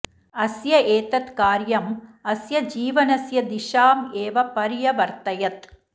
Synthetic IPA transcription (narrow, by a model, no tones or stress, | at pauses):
ɐsjɐʔeːt̪ɐt̪kaːɾjɐmɐsjɐd͡ʒiːʋɐnɐsjɐd̪ɪʂaːmeːʋɐpɐɾɪjɐʋɐɾt̪ɐjɐt̪